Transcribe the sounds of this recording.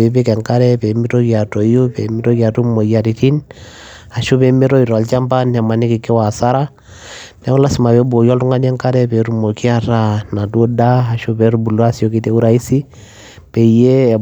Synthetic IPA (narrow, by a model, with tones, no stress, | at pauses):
ɛ˨be˦kɛ˨ŋka˦ɾɛ˦pɛ˨˦mi˦ɾo˦ka˨to˨ju˦pɛ˨mi˦ɾo˦ka˨ɾu˦mo˨ja˨ɾi˨ti˦n | a˨ʃu˦pɛ˨˦mi˦ɾo˦i˨ɾa˨lt͡ʃa˦mpa˦nɛ˨ma˨ni˦ki˨ki˦wa˨sa˦ɾa˦ | nɛ˨˦u˦la˦si˨ma˨bɛ˨˦bo˨jɔ˦ltu˦ŋa˦nɛ˦ŋka˦ɾɛ˦pɛ˨ɾu˦mo˨ki˦a˦ɾa˦na˨du˦o˦da˦a˨ʃu˦pɛ˨˦ɾu˦bu˨lu˦a˦so˨ki˦tɛ˨˦u˦ɾa˨i˦si˦ | pɛ˨je˦˨